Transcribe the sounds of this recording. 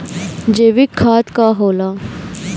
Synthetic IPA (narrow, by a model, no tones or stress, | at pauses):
d͡ʑeʋikʰːaːt̪kaɦola